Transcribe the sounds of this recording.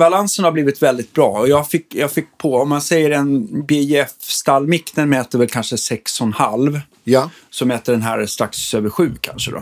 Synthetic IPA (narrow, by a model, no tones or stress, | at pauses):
balansənhabliːvɪt̪vɛld̪ɪt̪̚bɾɑːɔjɑːfɪkːjɑːɡfɪkːpʰɔɔmːansɛjːəɾɛnbeɛfst̪alːmɪknənmɛːt̪əɾvɛlkʰanʂəsɛksɔnha̰lv | sɔmːɛːt̪əɖɛnɦæ̰ːɾst̪ɾaksøːvəɾɧʉ̟ːkʰa̰nʂəd̪ɔ̰